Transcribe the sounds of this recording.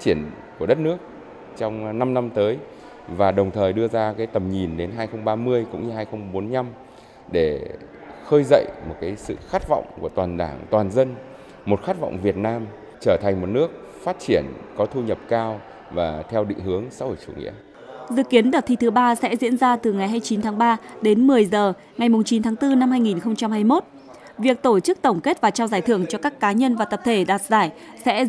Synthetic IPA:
a˦˥t͡ɕi˧˩ən | ku˧˩əɗə˦˥t̚nɨ˦˥ək̚ | t͡ɕɔ˧wŋ͡mna˧mna˧mt̪əː˨˦j | vaː˨˩ɗə˨˩wŋ͡mt̪ʰəː˨˩jɗɨ˧əzaː˧kaː˨˦jt̪ə˨˩mɲi˨˩nɗe˨˦nɦaː˧jxə˧wŋ͡mɓaː˧mɨ˧əjkʊ̰˧˥ŋ͡mɲɨ˧ɦaː˧jxə˧wŋ͡mɓo˨˦nɲa˧m | ɗe˧˩ | xəː˧jzə̰˧˨jmo˨˩t̚kaː˨˦jsɨ̰˧˨xaː˦˥k̚vɔ̰˧˨wŋ͡mku˧˩ət̪waː˨˩nɗaː˧˩ŋt̪waː˨˩nzə˧n | mo˨˩t̚xaː˦˥t̚vɔ̰˧˨wŋ͡mvi˨˩ət̚naː˧m | t͡ɕəː˧˩t̪ʰa˨˩ŋ̟mo˨˩t̚nɨ˦˥ək̚ | faː˦˥t̚t͡ɕi˧˩ənkɔ˨˦t̪ʰu˧ɲə˨˩p̚kaː˧w | vaː˨˩t̪ʰɛ˧wɗḭ˧˨ŋ̟hɨ˨˦əŋsa̰ː˧˥ho˧˩jt͡ɕṵ˧˩ŋḭ˧˥ə | zɨ̰˧˨ki˨˦ənɗaə˨˩t̚t̪ʰi˧t̪ɨ˨˦ɓaː˧sɛ̰˧˥zḭ˧˥ənzaː˧t̪ɨ˨˩ŋa˨˩jɦaː˧jt͡ɕi˨˦nt̪ʰaː˨˦ŋɓaː˧ɗe˨˦nmɨ˨˩əjzəː˨˩ | ŋa˨˩jmʊ˨˩ŋ͡mt͡ɕi˨˦nt̪ʰaː˨˦ŋt̪ɨ˧na˧mhaː˧jŋi˨˩nxə˧wŋ͡mt͡ɕa˧mhaː˧jmo˦˥t̚ | vi˨˩ək̚t̪o˧˩t͡ɕɨ˦˥k̚t̪ə˧˩wŋ͡mke˦˥t̚vaː˨˩t͡ɕaː˧wzaː˧˩jt̪ʰɨ˧˩əŋt͡ɕɔ˧kaː˦˥kːaː˨˦ɲə˧nvaː˨˩t̪ə˨˩p̚t̪ʰe˧˩ɗaː˨˩t̚zaː˧˩j | sɛ̰˧˥

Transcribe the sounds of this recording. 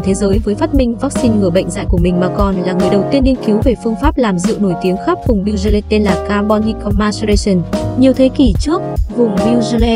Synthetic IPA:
t̪ʰe˨˦zəː˨˦jvəː˨˦jfaː˦˥t̚mï˧ŋ̟vaː˦˥k̚si˧nŋɨ˨˧˩əɓə̰˧˨jŋ̟za̰ː˧˨jku˧˩əmï˨˩ŋ̟maː˨˩kɔ˨˩nlaː˨˩ŋɨ˨˩əjɗə˨˩wt̪i˧ənːi˧ənki˨˦wve˨˩fɨ˧əŋfaː˦˥p̚laː˨˩mzɨ̰˧˨əwno˧˩jt̪i˨˦əŋxa˦˥p̚vʊ˨˩ŋ͡mɗi˧wzə˧lɛ˧t̪e˧nlaː˨˩kaː˧ɓɔ˧ni˧kɔ˧ma˧sle˧sə˨˩nɲi˨˩əwt̪ʰe˨˦ki˧˩t͡ɕɨ˦˥ək̚vʊ˨˩ŋ͡mmi˧wzlɛ˧

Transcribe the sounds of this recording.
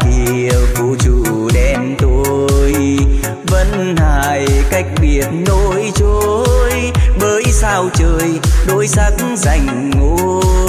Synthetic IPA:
ki˨˩əwku˧t͡ɕu˧˩ | ɗɛ˧mt̪o˧j | və˧˥n | haː˧˨˩jka˦˥jk̟̚ɓi˨˩ət̚no˧jt͡ɕo˧j | ɓəː˨˦jsaː˧wt͡ɕəː˧˩jɗo˧˦jsa˦˥k̚ŋza˧˩jŋ̟ | ŋo˧˦

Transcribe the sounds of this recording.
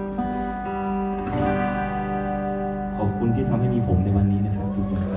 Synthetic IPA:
kʰɔ˨˩˦p̚kʰu˧nt̪ʰiː˥˩t̪ʰa˧mhɦa˥˩jmiː˧pʰo˩˦mna˧jwa˧nːiː˦˥na˥˩kʰa˦˥t͡ɕ̪ʰi˧˩t͡ɕi˧˩

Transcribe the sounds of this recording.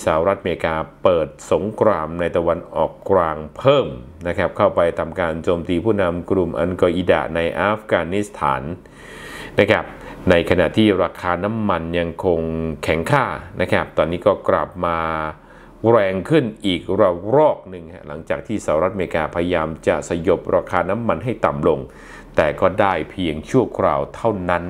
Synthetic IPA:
sa˧a˧wɾa˦˥t̪̚ʔa˧meː˧kaː˧pɤː˨˩t̪̚so˩˦ŋkʰɾaː˧mna˧jt̪a˧wa˧nʔɔ̰ː˨˩kːlaː˧ŋpʰɤː˥˩m | na˦˥kʰa˦˥p̚kʰa˥˩wpa˧jt̪ʰa˧mkaː˧nt͡ɕoː˧mt̪iː˧pʰuː˥˩na˧mkɾu˧mʔa̰˧nkɔː˧ʔi˧˩da̰˨˩na˧jʔaː˦˥fkaː˧ni˦˥st̪ʰa̰ː˩˦nː | a˦˥kʰa˦˥p̚na˧jkʰa˧na̰˨˩t̪ʰiː˥˩ɾaː˧kʰaː˧na˦˥mːa˧nja˧ŋkʰo˧ŋkʰɛ˨˩˦ŋkʰaː˥˩nʔa˦˥kʰa˦˥p̚t̪ɔː˧nːiː˦˥kɔː˥˩kɾa̰˨˩p̚maː˧ | ɾɛː˧ŋkʰɯ˥˩nʔiː˨˩k̚ɾa˧ɾɔː˥˩k̚nɯ˨˩ŋkʰa˦˥˩la˩˦ŋt͡ɕaː˨˩k̚t̪ʰiː˥˩sa˧˦ɾt̪̚a˧meː˧kaː˧pʰa˧ja˧jaː˧mt͡ɕa̰˨˩sa˧jo˦˩p̚ɾaː˧kʰaː˧na˦˥mːa˧nɦa˥˩jt̪a˨˩mlo˧ŋ | t̪ɛː˨˩kɔː˥˩daː˥˩jpʰi˧əŋt͡ɕʰu˥˩əkʰɾa̰ː˧wt̪ʰa˥˩wna˦˥n

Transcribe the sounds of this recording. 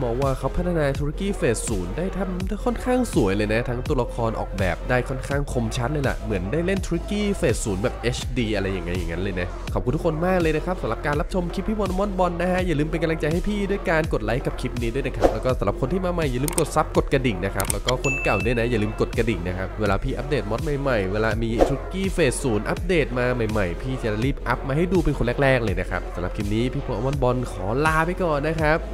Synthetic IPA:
mɔː˧ŋwaː˧˩kʰa˦˥wpʰa˦˥t̪ʰa˧naː˧t̪ʰu˦˥a˦˥kiː˥˩feː˨˩t̪̚suː˩˦ndaː˥˩jt̪ʰa˧˩mkʰɔ˥˩nkʰaː˥˩ŋsu˨˩˦jlɤː˧jna˦˥t̪ʰaː˦˥ŋt̪u˧la˧kʰɔː˧nʔɔ̰ː˨˩k̚bɛ̰ː˨˩p̚daː˥˩jkʰɔ˥˩nkʰaː˥˩ŋkʰo˧mt͡ɕʰa˦˥t̪̚lɤː˧jla̰˨˩ʔmɯ˩˦əndaː˥˩jle˥˩nt̪ʰu˦˥ɾa˦˥kiː˥˩feː˨˩t̪̚suː˩˦nbɛː˨˩p̚ʔeː˦˥t͡ɕʰdiː˧ʔa˧ɾa˧jːa˨˩ŋːa˦jːa̰˨˩ŋːa˦˥nlɤː˧jna˦˥kkʰɔ˨˩p̚kʰu˧nt̪ʰu˦˥kʰo˧nmaː˥˩k̚lɤː˧jna˦˥kʰa˦˥p̚sa˨˦la˨˩p̚kaː˧nla˦˥p̚t͡ɕʰo˧mkʰi˦˥p̚ʰːiː˥˩bɔː˧na˧mɔ˥˩n̚bɔ˧nːa˦˥kʰa˦˥jaː˨˩lɯː˧mpe˧nka˧la˧ŋt͡ɕa˧jha˥˩jpʰiː˥˩du˥˩əjkaː˧nko˨˩t̪̚la˦˥jka˨˩p̚kʰi˦˥p̚niː˦du˥˩jna˧˥˩kʰa˦˥plɛ˦˥wkɔː˥˩sa˨˩˦mla˨˩kʰo˧nt̪ʰiː˥˩maː˧ma˨˩jːa˨˩lɯː˧mko˨˩t̪̚sa˦˥p̚ko˨˩t̪̚ka˧di˨˩ŋna˦˥kʰa˦˥p̚lɛː˦˥wkɔː˥˩kʰo˧nka˨˩wdu˥˩jna˦˥ja˨˩lɯː˧mko˨˩t̪̚ka˧di˨˩ŋna˦˥kʰa˦˥p̚weː˧laː˧pʰiː˥˩ʔa˦˥p̚deː˨˩t̪̚mɔ˦˥t̪̚ma˨˩jma˨˩jweː˧laː˧miː˧t͡ɕʰu˦˥kiː˥˩feː˨˩t̪̚suː˨˩˦nʔa˦˥p̚deː˨˩t̪̚maː˧ma˨˩jma˨˩jpʰiː˥˩t͡ɕa˧a˧liː˥˩p̚ʔa˦˥p̚maː˧ɦa˥˩jduː˧pe˧nkʰo˧nlɛː˥˩k̚lɛː˥˩k̚lɤː˧jna˦˥kʰa˦˥p̚sa˨˦mla˨˩kʰi˦˥p̚niː˦˥pʰiː˥˩pʰo˧nʔa˧mɔ˥˩nbɔ˧nkʰɔː˩˦laː˧pa˧jkɔː˨˩nːa˦˥kʰa˦˥p̚

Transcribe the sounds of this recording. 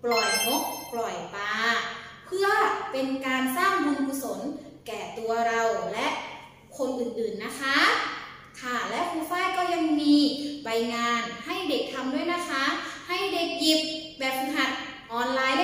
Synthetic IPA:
plɔ˨˩jŋo˦˥k̚plɔ˨˩jpaː˧ | pʰɯ˥˩əpe˧nkaː˧nsaː˥˩ŋbɯː˧ŋpʰu˧so˩˦n | kɛː˨˩t̪u˧ɐɾa˧wlɛ˦˥ʔ | kʰo˧nʔɯː˨˩nʔɯː˨˩nːa˦˥kʰa˦˥ | kʰa˥˩lɛ˦˥kʰuː˧faː˥˩jkɔː˥˩ja˧ŋmiː˧ba˧jŋaː˧nha˥˩jde˨˩k̚t̪ʰa˧mdu˥˩˨jna˦˥kʰa˦˥ha˥˩jde˨˩k̚ji˨˩p̚bɛː˨˩p̚ha˨˩t̪̚ | ʔɔː˧nlaː˧j

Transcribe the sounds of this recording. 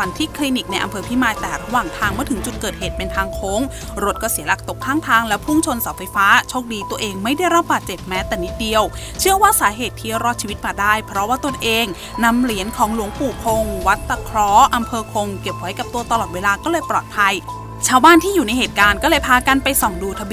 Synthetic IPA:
wa˧˩nt̪ʰiː˦˥˩kʰliː˧ni˨˩k̚na˧jʔa˧mpʰɤː˧pʰiː˥˩maː˧˩jt̪ɛː˨˩ɾa˧waː˨˩ŋt̪ʰaː˧ŋmɯ˥˩ət̪ʰɯ˩˦ŋt͡ɕu˨˩t̪̚kɤː˨˩t̚heː˨˩t̪̚pe˧nt̪ʰaː˧ŋkʰoː˦˥ŋ | ɾo˦˥t̪̚kɔː˥˩si˨˦əla˨˩k̚t̪o˨˩kʰːaː˥˩ŋt̪ʰaː˧ŋlɛ˦˥pʰu˥˩ŋt͡ɕʰo˧nsaː˩˦wfa˧jfaː˦˥t͡ɕʰoː˥˩k̚diː˧t̪u˧əʔeː˧ŋma˥˩jda˥˩jɾa˦˥p̚baː˨˩t̪̚t͡ɕe˨˩p̚mɛː˦˥t̪ɛː˨˩ni˦˥t̪̚di˧əw | t͡ɕʰɯ˥˩əwaː˥˩saː˩˦ɦeː˨˩t̪ʰːi˦˧˥ɾɔː˥˩t̪̚t͡ɕʰiː˧i˦˥t̪̚maː˧˩daː˥˩jpʰɾɔ˦˥waː˥˩t̪o˧nʔeː˧ŋ | na˧mli˩˦ənkʰɔː˩˦ŋlu˨˩˦əŋpuː˨˩kʰo˧ŋwa˦˥t̪̚ːa˧kʰɾɔː˦˧˥ʔa˧mpʰɤː˧kʰo˧ŋke˨˩p̚ʰːɔ˨˩˦jka˨˩p̚t̪u˧ɐt̪a˧lɔː˨˩t̪̚weː˧laː˧kɔː˥˩lɤː˧jpɾɔː˨˩t̪̚pʰa˧j | t͡ɕʰaː˧˩wbaː˥˩nt̪ʰiː˥˩juː˨˩na˧jheː˨˩t̪̚kaː˧nkɔː˥˩lɤː˧jpʰaː˧ka˧npa˧jsɔ˨˩ŋduː˧t̪ʰa˧bi˧

